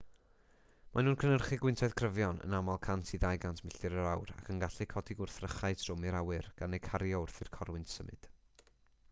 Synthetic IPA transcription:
mʔanuːnkʰənərχɨɡwɪntʰɛðkʰrəvjɔnə̰namalˠkʰantʰiðajɡantʰmɪɬɨɾəɾawɾa̰kʰənɡaɬɛkʰɔdiɡʊrθrəχajtʰrʊmɨɾawɨrɡ̥anejkʰaɾjɔʊrθɪrkʰɔrwɪntsəmɨ̰d̥

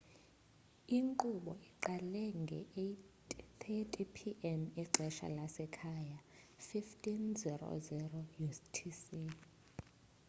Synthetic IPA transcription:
iŋǃuɓɔiǃalɛŋɡʱɛ̰etʼtʰɛtʼipʰiʔɛniǃʱɛʃa̰lasɛkʰaːja | fiftʼinziro̰zɛrɔjustʰisi

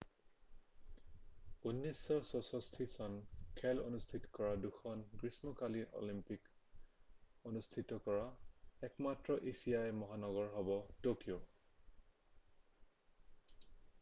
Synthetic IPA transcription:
unːisːɔsɔsɔstʰisɔnkʰɛlo̰nustʰitɔ̥kɔɹaduxʰɔnɡɹismɔkaliʔo̰limpik | onustʰitɔkɔɹaɛkmatɹɔʔisijajmɔɦanɔɡɔɹɦɔbɔtokijo

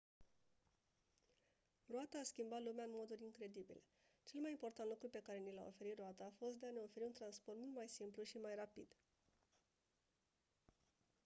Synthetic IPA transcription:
roat̪aːskʲimbat̪lumeaɨnmo̞d̪uɾʲiŋkɾe̞d̪ibḭle | t͡ʃe̞lmajimpo̞rt̪ant̪lukɾupe̞kaɾe̞nila̰o̞̰fe̞ɾit̪rɾoat̪aːfo̞st̪̚d̪e̞ane̞o̞fe̞ɾiunt̪ɾanspo̞rt̪mult̪majsimpluʃimajrapḭd̪̥

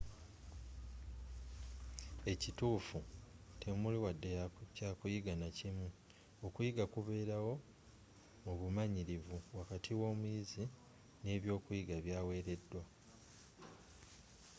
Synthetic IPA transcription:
e̞cituːfutʰe̞muliwadːecaːkujiɡanacimu | o̞kujiɡakuβe̞ːɾawo̞ | muβumaɲiɾiβuwakatʰiwo̞ːmujizi | ne̞ːβjo̞ːkujiɡaβjaːwe̞ːɾe̞dːwa

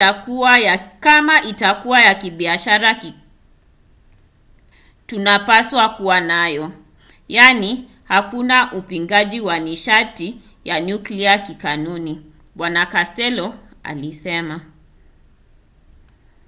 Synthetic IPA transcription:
akuajakamaʔitakuwajakiɓiaʃaɾa | tunapaswakuwanajɔ | jani | hakunaʔupiŋɡaʄiwaniʃati | jaɲukliakikanuni | ɓwanakastɛlɔa̰lisɛma

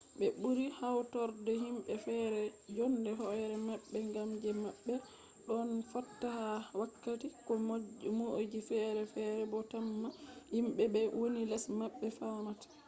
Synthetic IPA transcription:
ɓɛɓuɾihawtɔɾdɛhimɓɛfɛɾɛd͡ʒɔndɛɦɔjɾɛmaɓːɛŋɡamd͡ʒɛmaɓːɛ | ɗɔnfatːahawakːatikɔmod͡ʒifɛɾɛfɛɾɛbɔtamːahimɓɛbɛwonilɛsmaɓːɛfawnatḁ

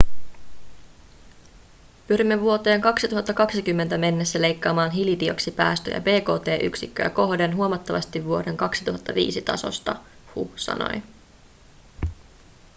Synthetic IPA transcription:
pyɾimːe̞ʋuo̞t̪eːŋkɑksit̪uɦɑt̪ːɑkɑksik̟ymːent̪æme̞nːe̞sːæle̞jkːɑːmɑːnɦilidio̞̰ksipæ̰ːst̪ø̰jɑ̰be̞ːko̞ːt̪e̞ːʔy̰ksikːøjæ̰ko̞ɦde̞nɦuomɑt̪ːɑʋɑst̪iʋːuo̞de̞ŋkɑksit̪uɦɑt̪ːɑʋḭːsit̪ɑ̰so̞̰st̪ɑhṵsɑ̰no̞̰j

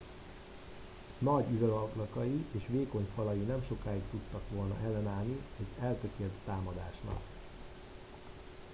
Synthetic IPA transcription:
nɒɟyvøvɒklɒkɒjiʔeːʃʋeːko̞ɲfɒlɒjinɛmʃo̞kaːikt̪ut̪ːɒkʋo̞lnɒ̰ʔɛlːɛnaːlniɛɟɛlt̪økeːlt̪ːaːmɒd̪aːʃnɒ̰k

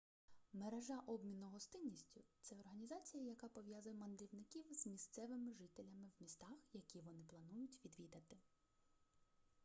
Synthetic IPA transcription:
meɾeʒɑʔɔbmʲinʊɦɔst̪ɪnʲːisʲtʲʊt̪sɛɔrɦɐnʲizɑt͡sʲijɐjɐkɑpɔʋʲjazʊjɛmɐnd̪ɾʲiwnɪkʲiwz̥mʲist̪sɛʋɪmɪʒɪt̪elʲɐmɪwmʲist̪ɑxjɐkʲiʋɔnɪplˠɐnujʊtʲʋʲid̪ʋʲid̪ɐt̪ɪ

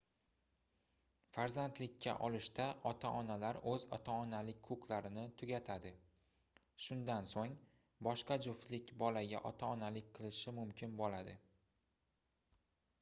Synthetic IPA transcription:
faɾzant̪lɪkʲʰːa̰ʔɒlˠɪʃt̪aʔɒt̪ʰaʔɒnalaɾɵzɒ̰t̪ʰaɒnalɪk̚ʲkʰʊqʰlˠaɾɪnɪt̪ʰʊɡʲat̪ʰad̪ɪ | ʃʊnd̪ansoŋ | bɒʃqɑd͡ʒʊft̪lɪkʲbɒlaɡʲa̰ʔɒt̪ʰaɒnalɪk̚ʲqʰɨlˠɪʃɪmʊmkʲʰɪnbolad̪ɪ

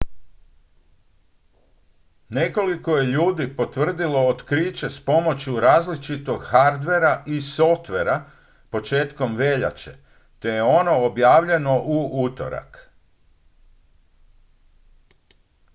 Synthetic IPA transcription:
ne̞ko̞liko̞je̞ʎuːd̪ipo̞t̪ʋr̩d̪ilo̞ːt̪kɾiːt͡ɕe̞spo̞mo̞t͡ɕjuɾaːzlit͡ʃit̪o̞ɡxaɾd̪ʋe̞ɾaʔiso̞ft̪ʋe̞ɾa | po̞t͡ʃe̞ːt̪ko̞mʋe̞ʎa̰t͡ɕḛ | t̪e̞je̞o̞no̞ːbjaːʋʎe̞no̞ʔuut̪o̞̰ɾa̰k

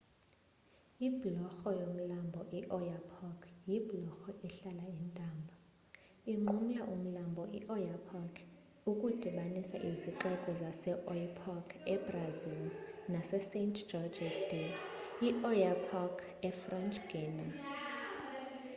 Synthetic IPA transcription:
ibʱlɔxɔjom̩lambʱɔʔiʔɔjapʰɔkʰjiblɔxɔʔiɬalaintʼaːmbʱɔ | iŋ͡ǃʱum̩laʔum̩lambʱɔʔḭʔɔjapʰakʰ | ukʼud̥ʱiɓanisa̰ʔiziǃɛkʼɔzasɛʔɔjpʰɔkʰɛbrazilnasɛsentʰd͡ʒɔd͡ʒɛsteiʔɔjapʰakʰ | ɛfrɛnt͡ʃʼɡ̥iːna

